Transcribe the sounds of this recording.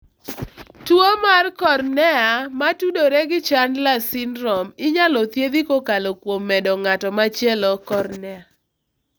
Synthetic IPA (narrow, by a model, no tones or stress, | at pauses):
twomarkɔrnɛamatudoɾeɡɪt͡ʃanlasɪnɾɔmɪɲalɔt̪jed̪ikokalokwomːɛdɔŋatɔmat͡ʃjɛlɔkɔrnɛa